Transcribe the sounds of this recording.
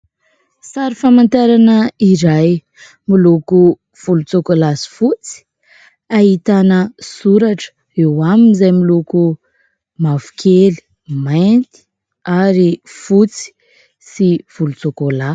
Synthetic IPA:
saɾifamant̪aɾanəiɾaj | miluku | v̥ulut͡sokolasi̥fut͡si̥ | aɦit̪anəsuɾaʈ͡ʂə̥ | ewaminizajmiluku | mavu̥kʰeli̥ | majnt̪i̥ | aɾifut͡si̥ | siv̥ulut͡sokola

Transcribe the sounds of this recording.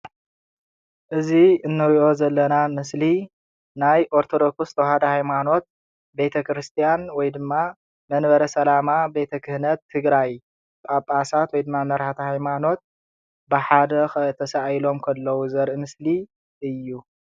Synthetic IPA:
ʔɨziɨnːɐwiʔo̞zɐlːɐnamɨsli | najʔoɾt̪ʰo̞d̪o̞kʰust̪ʰowhad̪ɐhajmano̞t̪̚ | be̞t̪ʰɐkʰɾɨst̪ʰijanwɔjd̪ɨmːa | mɐnbɐɾɐsɐlamabe̞t̪ʰɐkʰɨhnɐt̪ʰːɨɡɾaj | bʼapʼasat̪wɔjd̪ɨmːamɐɾhat̪ʰɐhajmano̞t̪̚ | bɨħad̪ɐxt̪ʰɐsaʔjlo̞mkʰɐlːɐwuzɐɾʔɨmɨsli | ʔɨjːu

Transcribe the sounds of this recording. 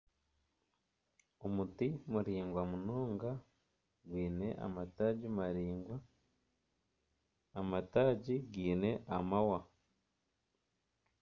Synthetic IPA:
omutimuɾiːŋɡwamunoːŋɡa | ɡwiːne̞ʔa̰mataːɟimaɾiːŋɡwa | mataːɟiɡiːne̞ʔamawa

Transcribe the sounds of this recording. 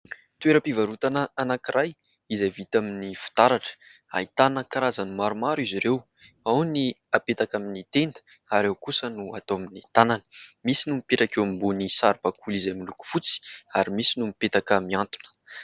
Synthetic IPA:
t̪weɾəpivaɾut̪anəanakiɾʔaj | izajvit̪aminifi̥t̪aɾaʈ͡ʂə̥ | a̰it̪anəkaɾazanumaɾumaɾiziɾew | awni | apet̪akaminit̪end̪ə̥ | aɾewkusənua̰t̪oaminit̪ananə̥misinumipeʈ͡ʂakewambunisaɾipakulizajmiluku̥fut͡si̥aɾimisinumipet̪akəmiant̪u̥nə̥

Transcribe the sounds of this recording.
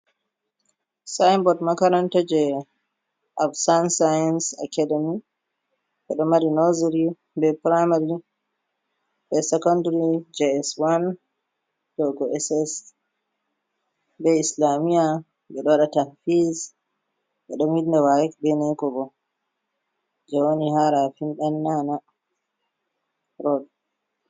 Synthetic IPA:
sajmbɔdmakaɾantad͡ʒɛ | ʔabsansajansa̰kademi | ɓɛɗɔmaɾinoziɾi | bɛpɾajmaɾi | ɓɛsɛkɔndaɾid͡ʒɛɛswan | dɔɡɔɛsɛs | bɛislamija | ɓɛɗɔwaɗatafiz | ɓɛɗɔmidndɛwajɛkbɛnajkɔɡɔ | d͡ʒɛwonihaɾafimɗanːana | ɾɔd

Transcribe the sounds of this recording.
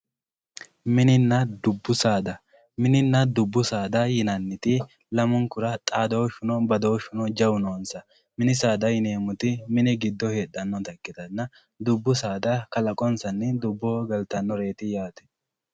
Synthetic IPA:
mɪnɪnːɐd̪ʊbːʊsaːd̪ɐ | mɪnɪnːɐd̪ʊbːʊsaːd̪ɐjɪnɐnːɪt̪ɪ | lɐmʊŋkʊɾɐt̪ʼaːd̪owʃʊnɔbɐd̪oːʃʊnɔd͡ʒɐwʊnoːnsɐ | mɪnɪsaːd̪ɐjɪneːmʊt̪ɪmɪnɪɡɪd̪ːɔhe̞ːɗːɐnːɔt̪ɐkːɪt̪ɐnːɐ | d̪ʊbːʊsaːd̪ɐkɐlɐkʼɔnsɐnːɪd̪ʊbːɔɡɐlt̪ɐnːɔɾe̞ːt̪ɪjaːt̪ɛ̥

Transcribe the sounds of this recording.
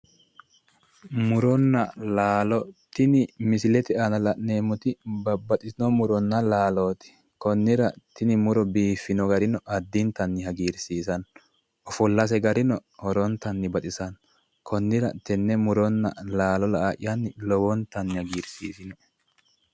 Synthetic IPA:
mʊɾɔnːɐlaːlɔt̪ɪnɪmɪsɪlɛt̪ɪanɐlɐʔne̞ːmʊt̪ɪbɐbːɐt̪ɪsnɔmʊɾɔnːɐlaːloːt̪ɪ̥ | kɔnːɪɾɐt̪ɪnɪmʊɾɔbiːfːɪnɔɡɐɾɪnɔʔɐd̪ːɪnt̪ɐnːɪhɐɡiːɾsiːsɐn | ʔɔfɔlːɐs̬ɛɡɐɾɪnɔhɔɾɔnt̪ɐnːɪbɐt̪ʼɪsɐn | kʰɔnːɪɾɐt̪ɛnːɛmʊɾɔnːɐ̰laːlɔlɐʔaʔɪ̰jɐnːɪlɔwɔnt̪ɐnːɪhɐɡiːɾsiːsɪnɔ

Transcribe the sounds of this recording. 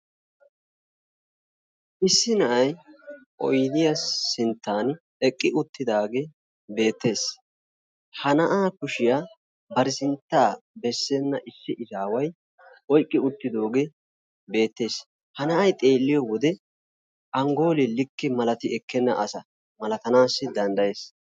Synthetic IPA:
ʔɪsːɪnɐʔɐjʔɔ̰jɪd̪ɪjɐsɪnt̪ːaːn | ɛkʼːɪʔʊt̪ːɪd̪aːɡe | be̞ːt̪ːe̞ːs | hɐnɐʔaːkʊʃɪja | bɐɾɪsɪnt̪ːaːbɛsːɛnːɐʔɪsːɪʔɪzaːwɐj | ɔjkʼːɪʊt̪ːɪd̪o̞ːɡe | be̞ːt̪ːe̞ːs | hɐnɐʔɐjt̪ʼe̞ːlːɪjɔwɔd̪ɛ | ʔɐŋɡo̞ːlɪlɪkːɪmɐlɐt̪ɪʔɛkʰːɛnːɐʔɐsɐ | mɐlɐt̪ɐnaːsːɪd̪ɐnd̪ɐje̞ːs

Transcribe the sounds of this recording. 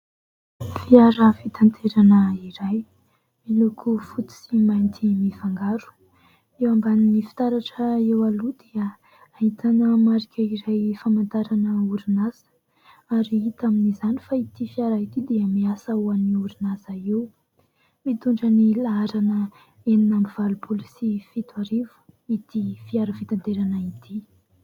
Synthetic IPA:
fiaɾafit̪ant̪ʰeɾanəiɾaj | milukʰufut̪i̥simajnt̪ʰimifaŋɡaɾu̥ | ewambaninifi̥t̪aɾaʈ͡ʂəewalud̪̥eə | ait̪ʰanəmaɾikʲʰəiɾajfamant̪aɾanəuɾinaz̥ə̥ | aɾiit̪aminizanifait̪ifiaɾait̪id̪eəmiasauaniuɾunazaew | mit̪uɳɖ͡ʐənilaaɾanə | eninamiv̥alupʰolisifit̪uaɾivu̥it̪ifiaɾafit̪ant̪eɾanait̪ʰi

